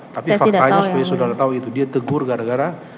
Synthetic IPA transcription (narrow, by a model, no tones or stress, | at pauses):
t̪apifakaɲasupajasodaɾat̪auit̪udiat̪əɡʊrɡaɾaɡaɾa